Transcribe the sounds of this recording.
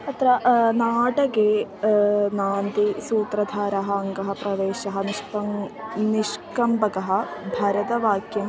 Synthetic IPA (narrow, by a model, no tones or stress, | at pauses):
ɐt̪ɾɐnaːʈɐkeː | naːnd̪isuːt̪ɾɐd̪ʱaːɾɐɦɐɐŋɡɐɦɐpɾɐʋeːʃɐɦɐniʂpɐŋniʂkɐmbɐkɐɦɐ̆bʱɐɾɐd̪ɐʋaːkjɐm